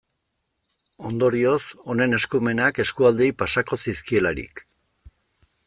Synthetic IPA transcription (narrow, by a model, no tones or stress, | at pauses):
o̞nd̪o̞ɾio̞so̞ne̞ne̞skume̞nake̞skuald̪ipasako̞siskie̞laɾḭk